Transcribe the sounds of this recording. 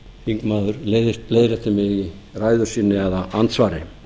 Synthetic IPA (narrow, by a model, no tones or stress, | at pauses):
hiŋkmaːðʏɾleːjðɪst̪̚pleːjɾɛt̪ɪmɪɣi | raːjðʏɾ̥siːnːɪɛðaant̪svaːɾɪ